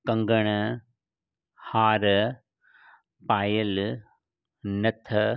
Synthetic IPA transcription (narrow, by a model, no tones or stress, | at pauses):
kɐŋɡɐɳɐ | haːɾɐ | paːjɐl | nɐt̪ʰɐ